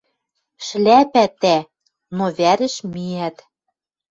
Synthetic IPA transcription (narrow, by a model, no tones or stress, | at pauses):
ʃlæpæt̪æ | noβæɾɘ̆ʃmiæt̪